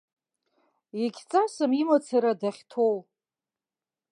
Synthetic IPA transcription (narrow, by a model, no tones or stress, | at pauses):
jeɡʲt͡sʼasamimat͡sʰaɾadaχʲtʰow